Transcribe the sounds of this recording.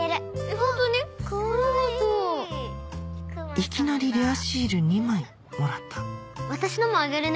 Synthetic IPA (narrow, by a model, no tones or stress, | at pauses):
eɾaɦõnt̪onekot̪o | ikʲinaɾʲiɾʲeaɕiːɾɯ̟ɲ̟imai | moɾat̪ʰːḁβat̪aɕinomoaɡeɾen